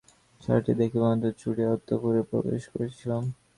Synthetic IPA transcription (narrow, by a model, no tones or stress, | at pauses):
t͡ɕʰa̰ɾʈid̪ekʰebamad̪eɾt͡ɕʰuʈeɔt̪ʰːokuɾepɾo̰bḛʃkoɾet͡ɕʰilam